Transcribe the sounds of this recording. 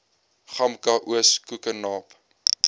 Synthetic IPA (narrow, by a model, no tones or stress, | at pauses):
χɐmkɐʔuəskukənɑːp